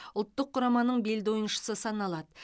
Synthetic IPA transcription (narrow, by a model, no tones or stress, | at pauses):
ʊlˠt̪ːəqqʰːʊɾɑmɑnəɴbe̞ld̪o̞jənʃə̥səsɑnɑlˠɑd̪ə